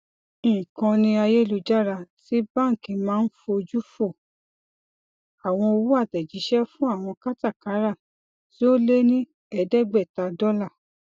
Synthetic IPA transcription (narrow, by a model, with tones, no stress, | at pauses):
ĩ˨kã˧nĩ˧a˧je˦˨lu˨˧d͡ʒa˦ɾa˧ti˦bã˦˨ŋ̩˨kĩ˨˧˨mãː˦n̩˦fo˧o˧d͡ʒu˦fo˦˨ | a˨w̃ɔ̃˧o˧wu˦a˦˨tɛ˨d͡ʒi˨˦ʃɛ˦fũ˦a˦˨w̃ɔ̃˧ka˦ta˦˨ka˨˦ɾa˦˨ | ti˦o˦le˦nĩ˦ | ɛ˧˦dɛ˦ɡ͡bɛ˦˨ta˧dɔ˦la˦˨